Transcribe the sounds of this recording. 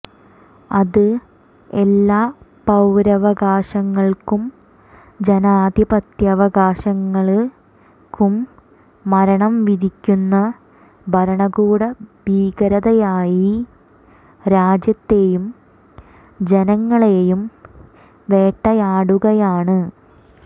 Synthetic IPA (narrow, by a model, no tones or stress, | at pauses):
ɐðɨ | elːaː | pɐwɾɐʋɐɡaːɕɐŋːɐɭkum | d͡ʑenaːd̪ʱibɐt̪jɐʋɐɣaːɕɐŋːɐɭ | kumː | ɐɾɐɳɐmʋiðikʲːunːɐ | bʱɐɾɐɳɐɡuːɽɐbiːɡɐɾɐðɐjaːji | ɾaːd͡ʑjɐt̪ːe̞ːjum | d͡ʑe̞nɐŋːɐɭejum | ʋe̞ːʈːɐjaːɽuɣɐjaːɳɨ